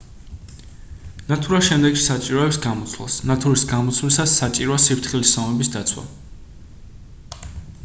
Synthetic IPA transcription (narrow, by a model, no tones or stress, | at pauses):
nat̪ʰuɾaʃɛmd̪ɛkʃi̥sat͡ʃʼiɾɔɛpsɡamɔt̪sʰwla̰snat̪ʰuɾisɡamɔt̪sʰwlisasːat͡ʃʼiɾɔasipɾt̪ʰχilisɔmɛbisd̪at̪sʰwa̰